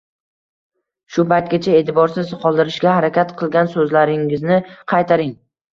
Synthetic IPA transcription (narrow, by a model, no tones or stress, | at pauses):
ʃʊpajt̪̚ɡʲat͡ʃʰae̞t̪ɪbɒɾsɪzqʰɒlˠd̪ɪɾɪʃɡʲahaɾakʲat̪qʰɨlˠɡʲansɵzlaɾɪŋɪznɪqʰɑjt̪ʰaɾɪŋ